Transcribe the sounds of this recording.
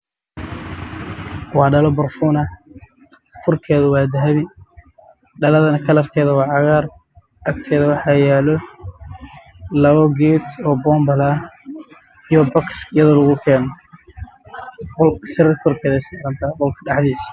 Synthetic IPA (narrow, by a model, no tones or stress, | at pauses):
wɑːɖɐlɔbɐrfuːnɐ | kʰʊrkʰɛːðʊwɑːd̪ɐɦɐβɪ | ɖɐlɐðɐnɐkʰɐlɐrkʰɛːðɐwɑːʕɑɣaːr | ɐkt̪ʰɛːðɐwɑħɑːjɛːlɔ | lɐβɔɡɛːt̪ɔːbɔːmbɐlɐ | ijɔbɔksɪjɐðɔlɐɣʊkʰɛːnɔ | ɔlsɪɾɐdkʰɔrkʰɛːðɐɪsmɾɐnt̪ʰɐqɔlkʰɐɖɑħd̪iːs